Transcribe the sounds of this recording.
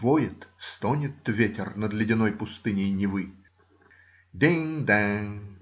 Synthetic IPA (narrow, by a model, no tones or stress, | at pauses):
vojɪt̪st̪onʲɪt̪vʲetʲɪrnəd̪lʲɪdʲɪnojpʊst̪ɨnʲɪjnʲɪvɨ | d̪ʲeŋd̪ɛ